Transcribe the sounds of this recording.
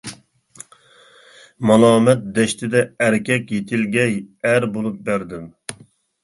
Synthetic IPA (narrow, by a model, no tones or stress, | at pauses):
mɑlˠɑːmɛt̪̚d̪ɛʃt̪ʰɪd̪ɛæɾkʲʰɛkʲjet̪ʰɪlɡʲɛjæɾbolˠup̚bæɾd̪ɪm